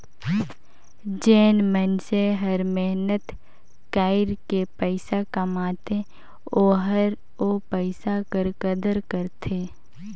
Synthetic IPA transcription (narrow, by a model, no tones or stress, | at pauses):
d͡ʒeːnmənseɦəɾmɛɦnət̪ | kaːɪɾkepəɪsakəmaːt̪e | oːɦəɾ | opəɪsakəɾkəd̪əɾkəɾt̪ʰeː